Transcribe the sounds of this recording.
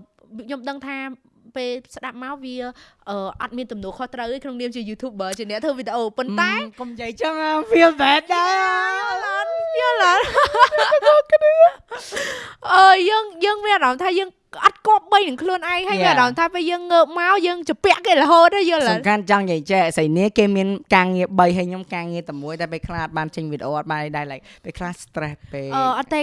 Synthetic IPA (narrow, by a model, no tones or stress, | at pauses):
ɲomɗəŋt̪ʰaːpeːlsɗap̚maɔʋiəʔəːʔɑt̪̚miənt̪umnɔəlkʰoht̪rəwhəːjkʰnoŋniəmt͡ɕiəjuːt̪ʰuːp̚ɓəːt͡ɕiənɛət̪ʰəːʋiːɗeʔoːponaɛkomjəjt͡ɕəŋafiəmzɛːt̪̚ɗaɛlənjəːləːl | k | ʔəːjəːŋjəːŋmiənaːɑmt̪ʰaːjəːŋ | ʔɑt̪̚kŏəp̚ɓəjnɨəŋkʰluənʔaɛŋhəjiənaɾɑmt̪ʰaːpeːjəːŋːəːp̚maɔjəːŋt͡ɕapɛ̆əʔkeːləɦoːt̪̚hajəːlsɑmnkʰant͡ɕɑŋjəːjt͡ɕeʔsəjniəkeːmiənkaːŋiəɓəjɦəjɲomkaːŋiət̪aəmuəjt̪aɛpeːkʰlahʔɑt̪̚ɓaːnt͡ɕəɲʋiɗʔoːʔɑt̪̚ɓaːnʔəjɗaɛlaɛk̚peːkʰlahst̪rɛhpeːʔəːʔɑt̪ːe